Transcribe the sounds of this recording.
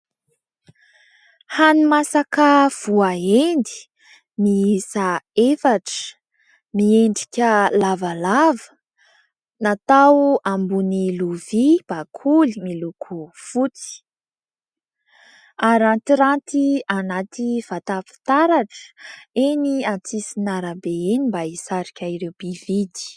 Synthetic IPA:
hanimasakəv̥uaend̪i̥ | miisaefaʈ͡ʂə̥ | mieɳɖ͡ʐi̥kʲəlavalavə | nat̪awambuniluvib̥akʰulimilukʰufut͡si̥ | aɾant̪iɾant̪ianat̪iv̥at̪afi̥t̪aɾaʈ͡ʂə̥eniant͡sisinaɾəbeenimbaisaɾikʲaiɾewb̥ivid̪i̥

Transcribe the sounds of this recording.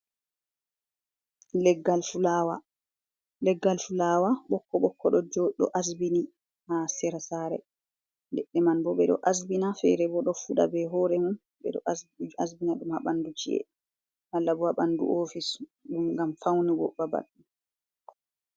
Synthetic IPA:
lɛɡalwa | lɛɡːalfulawaɓɔkʰːɔɓɔkːɔɗɔd͡ʒɗɔ̰ʔasbini | hasɛɾasaːɾɛ̰ | ndɛɗːɛmanbɔɓɛɗɔ̰ʔas̬binafɛ̰ɾɛbɔɗɔfuɗa̰bɛɦɔːɾɛmun | ɓɛ̰ɗɔ̰ʔasbinaɗumhaɓandut͡ʃḭʔɛ̰ | ʔalːabɔaɓandṵʔofisɗumɡamfawniwɔ̰ɓaba̰ɗːum

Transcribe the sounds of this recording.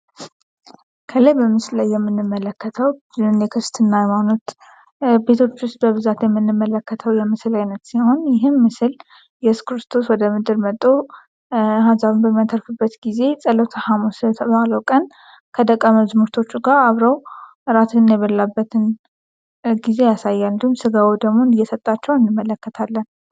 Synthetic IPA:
kʰələjbəmɨslajːɛmːɨnːɨmːələkːət̪ʰəw | ɨɨnjɛkʰɨst̪ʰɨnːajɛmanut̪ | be̞t̪ʰo̞t͡ʃːwʊst̪̚bəβɨzat̪jɛmːɨnːɨmːələkːət̪ʰəwjɛmɨslajnət̪siho̞njɪɦɨmːɨsɨl | jɛskɾɨst̪ʰo̞swɔd̪əmɨd̪ɨɾmət̪ʼːo | hanzaβɨnbəmːijat̪ʰəɾfɨbːət̪ɡize̞sʼəlot̪ʰahamusɨlət̪ʰəβaləwkʼən | kʰəd̪əkʼːaməzmuɾt̪ʰo̞t͡ʃːuɡaɾaβɾəw | ɨɾat̪ʰɨɨnːajɛβəlːabːət̪ʰɨn | ɡize̞jasajːalnd̪iumsɨɡawod̪əɡmo̞nɨjːɛsət̪ʼːat͡ʃːɛwɨnːɨmːələkːət̪ʰalːən

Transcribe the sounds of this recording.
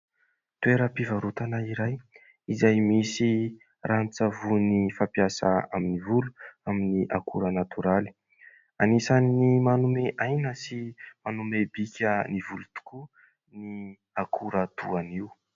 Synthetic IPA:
t̪ueɾəpivaɾut̪anaiɾaj | izajmisi | rant͡savunifapjasa̰a̰minivulu̥aminiʔakʰuɾənat̪ʰuɾali̥ | anisannimanumeʔajnəsimanumebikʲənivulut̪u̥ku | ni | akʰuɾət̪uaniw

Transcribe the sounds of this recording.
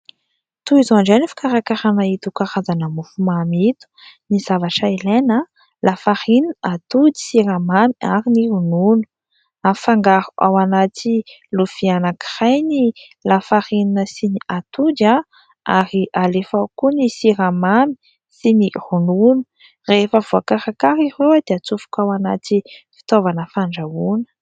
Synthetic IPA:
t̪uizaɳɖ͡ʐanifi̥kaɾakaɾanait̪ukaɾazanəmufumamit̪u̥niz̥avaʈ͡ʂailenə | lafaɾininʔat̪ud̪i̥siɾamamiaɾiniɾununu̥ | afaŋɡaɾu̥ʔawanat̪i | lufianaki̥rajni | lafaɾininəsiniat̪ud͡ʒ̪a | aɾiʔalefakunisiɾamami̥ | sinirununu̥ | refəvuakaɾakaɾirewad̪̥eat͡sufu̥kʲawanat̪ifi̥t̪ovanəfaɳɖ͡ʐaunə̥

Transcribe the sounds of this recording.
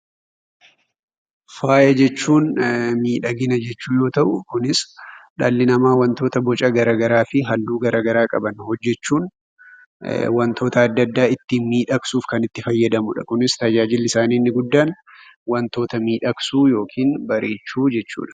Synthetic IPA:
faːjɐd͡ʒɛt͡ʃːuːnmiːᶑɐɡɪnɐd͡ʒɛt͡ʃːuːjo̞ːt̪ɐʔʊkʊnɪsᶑaːlːɪnɐmaːwɐnt̪o̞ːt̪ɐbɔt͡ʃʼɐɡɐɾaːɡɐɾaːfɪɦɐlːuːɡɐɾaːɡɐɾaːkʼɐbɐnhɔd͡ʒːɛt͡ʃːuːn | wɐnt̪ʰo̞ːt̪ɐːd̪ːɐd̪ːaːɪt̪ːiːnmiːᶑɐksuːfkɐnɪt̪ːɪfɐjːɐd̪ɐmʊᶑɐ̰kʊnɪst̪ɐd͡ʒaːd͡ʒɪlːɪsaːniːnːɪɡʊd̪ːaːn | wɐnt̪o̞ːt̪ɐmiːᶑɐksuːjo̞ːkʰiːnbɐɾʔe̞ːt͡ʃːuːd͡ʒɛt͡ʃːṵːᶑɐ̥

